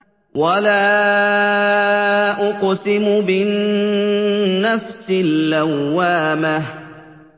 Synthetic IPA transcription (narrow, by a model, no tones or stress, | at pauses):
walaː | ʔʊqsɪmʊbɪn | afsɪlːawːaːmah